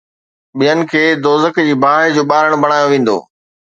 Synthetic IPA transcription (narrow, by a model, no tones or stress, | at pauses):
ɓijənɪ̆kʰeːd̪oːzəkd͡ʑiːbʱaːɦɪd͡ʑoːɓaːɾəɽ̃bɐɽ̃aːjoʋẽːn̆d̪o̰ː